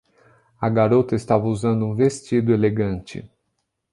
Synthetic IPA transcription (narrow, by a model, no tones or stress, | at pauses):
ɐɡaɾot̪ɐɪst̪avɐuzɐ̃nd̪ʊũvest͡ʃid̪ʊeleɡɐ̃nt͡ʃɪ̰